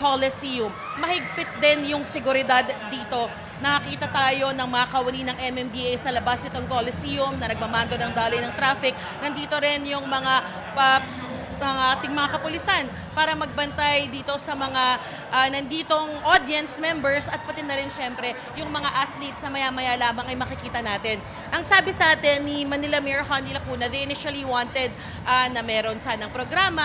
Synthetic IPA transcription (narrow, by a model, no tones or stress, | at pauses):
kolɛsijʊmːɐhɪɡ̚pɪt̪̚d̪ɛnjʊŋsɛɡʊɾɪd̪ad̪ːiːt̪o̞ | nɐkɐkiːt̪ɐt̪aːjo̞nɐŋmɐŋɐkɐʊwɐninɐŋʔɛmɛmd̪iʔejsɐlɐbasʔɪt̪oŋkolɪsijʊmnɐnɐɡ̚mɐmaːnd̪onɐŋd̪aːlojnɐŋt̪ɾafɪk̚ | nɐnd̪iːt̪o̞ɾɪnjʊŋmɐŋa | pɐ | mɐŋat̪ɪŋmɐŋakɐpʊlɪsan | paːɾɐmɐɡ̚bɐnt̪ajd̪iːt̪o̞sɐmɐŋa | ʔɐnɐnd̪iːt̪o̞ŋʔod̪jɛnsmɛmbɛɹsɐt̪̚pɐt̪ɪd̪ɐɾɪnʃɛmpɾɛ | jʊŋmɐŋaʔat̪lit̪snɐmɐjaːmɐjaːlaːmɐŋɐjmɐkɪkiːt̪ɐnaːt̪ɪn | ʔɐŋsaːbɪsɐʔaːt̪ɛnːimɐnɪlɐmɛɹɐhanilɐkuːnɐðɛjʔɪniʃɐliwant̪ɛd̪̚ | ʔanɐmɛɾo̞nsanɐŋpɾoɡɾaːmɐ